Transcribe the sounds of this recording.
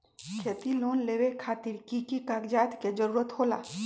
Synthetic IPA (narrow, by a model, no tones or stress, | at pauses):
kʰet̪iloːnleːʋekʰaːt̪ɪɾkikikaːɡd͡ʒaːt̪ked͡ʒəɾuːɾət̪ɦoːla̰ː